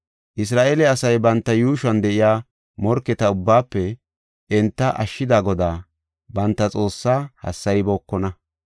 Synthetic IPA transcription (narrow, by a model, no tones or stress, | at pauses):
ʔɪs̬ɾaːʔeːlɛɐsɐjbɐnt̪ːɐjuːʃɐnd̪ɛʔɪjaː | mɔɾkːɛt̪ɐʊbːaːpːɛ | ɛnt̪ːɐʔɐʃːɪd̪aːɡɔd̪aː | bɐnt̪ːɐt͡sʼo̞ːsːaːhɐ̰sːɐjbɔːkːɔnɐ